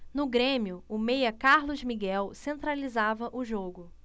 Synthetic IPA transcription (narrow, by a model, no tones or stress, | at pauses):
nʊɡɾẽmiʊʊmejɐkaɾlʊzmiɡɛwsẽnt̪ɾalizavɐʔʊʒoɡʊ